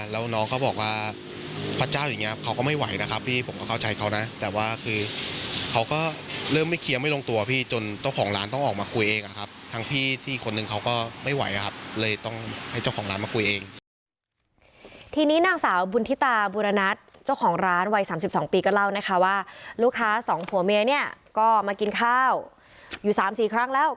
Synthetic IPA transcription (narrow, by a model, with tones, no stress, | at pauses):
lɛː˦˥wnɔː˦˥ŋkʰa˥˩bɔː˨˩k̚waː˥˩ | pʰɾa˦˥t͡ɕaː˥˩wjaː˨˩ŋːi˦˥˩kʰa˦˥wkɔː˥˩ma˥˩jwa̰˩˦jna˦˥kʰa˦˥pʰːiː˥˩pʰo˩˦mkɔː˥˩kʰa˥˩t͡ɕʰa˨˦jkʰa˦˥wna˦˥t̪ɛː˨˩waː˥˩kʰɯː˧kʰa˦˥wkɔː˥˩ɾɤː˥˩mːa˥˩jkʰi˧ɐma˥˩jlo˧ŋt̪u˧ɐpʰiː˥˩t͡ɕo˧nt͡ɕa˥˩wkʰɔː˩˦ŋɾaː˦˥nt̪ɔ˥˩ŋʔɔː˨˩k̚maː˧kʰu˧jʔeː˧ŋʔa˨˩kʰa˦˥p̚t̪ʰa˦˥ŋpʰiː˥˩t̪ʰiː˥˩kʰo˧nːɯ˧ŋkʰa˦˥wkɔː˥˩ma˥˩jwa̰˨˩˦jʔa˨˩kʰa˦˥p̚lɤː˧jt̪ɔ˥˩ŋha˥˩jt͡ɕa˥˩wxʰɔː˩˦ŋɾaː˦˥nmaː˧ku˧jʔeː˧ŋ | t̪ʰiː˧niː˦˥naː˧˩ŋsaː˩˦wbu˧nt̪ʰi˦˥t̪aː˧buː˧ɾa˧na˦˥t̪̚ | t͡ɕa˥˩wkʰɔː˩˦ŋɾaː˦˥nwa˧jsaː˩˦msi˨˩p̚sɔː˩˦ŋpiː˧kɔː˥˩la˥˩wna˦˥kʰa˦˥waː˥˩luː˥˩kʰːaː˦˥sɔː˩˦ŋphʰu˨˩˦meː˧ni˥˩ɐkɔː˥˩maː˧ki˧nkʰaː˥˩w | juː˨˩saː˨˩˦msiː˨˩kʰɾa˦˥ŋlɛː˦˥w